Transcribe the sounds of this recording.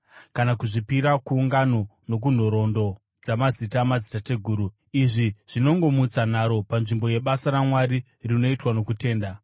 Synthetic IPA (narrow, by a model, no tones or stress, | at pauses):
kanakuʐipiɾakuːŋɡano̞no̞k̬un̤o̞ɾo̞ndo̞ | d͡zamazitamazitate̞ɡʱuːɾu | iʐiʐ̥ino̞ŋɡo̞mut͡san̤aɾo̞panʐimbo̞je̞ɓasaɾamwaɾi | rino̞itwano̞kute̞ːnda